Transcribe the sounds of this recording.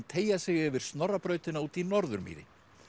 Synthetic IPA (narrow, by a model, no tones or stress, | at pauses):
t̪ʰeːjasɪɣɛvɪɾ̥st̪nɔrːapɾœːɥt̪ɪnauːt̪inɔɾðʏ̰ɾmḭːðɪ̰